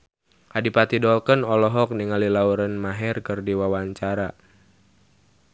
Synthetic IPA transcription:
ʔadipat̪idɔlkənɔlɔɦɔk̚niŋalilauɾənmaɦɛrkərdiwawaɲt͡ʃaɾa

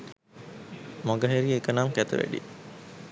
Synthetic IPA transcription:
moɡəɦeɾiekənamkæt̪ə̰ʋæ̰ɖḭ

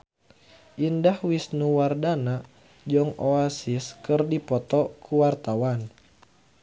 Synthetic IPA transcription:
ʔindahwisnuwardana | d͡ʒɔŋɔasiskɨrdipɔt̪ɔkʰuwart̪awan

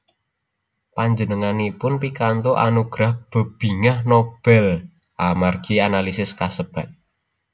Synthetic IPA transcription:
paɲd͡ʒənəŋanipʊnpikant̪oʔa̰nuɡ̥ɾahb̥ə̤b̥i̤ŋahnob̥ɛl | ʔamarɡ̥ianalisɪskasəb̥a̤t̪̚

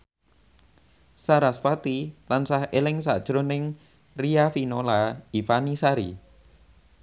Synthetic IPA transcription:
saɾasfat̪ilansahelɪŋsa̰d̥ʒ̥ɾonɪŋ | riafinolaifanisaɾḭ

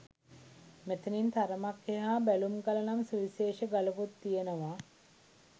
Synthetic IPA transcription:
met̪ənint̪aɾəmakːeɦaːbælumɡalənamsuʋiseːʃəɡalɐput̪ːijenəʋa

